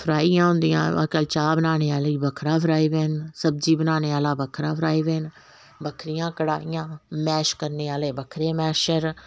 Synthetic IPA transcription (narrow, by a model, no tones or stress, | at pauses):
pʰɾaːijãːɦʊ̃nd̪ijãːa̰kəːlt͡ʃaːbənaːneːaːliːbəkʰɾaːpʰɾaːiːʋeːnsəb̚d͡ʒiːbənaːneːaːlaːbəkʰɾaːpʰɾaːiːʋeːn | bəkʰɾɪjãːkəɽa̰ːɪjãːmɛːʃkəɾneːaːleːbəkʰɾeːmɛːʃəɾ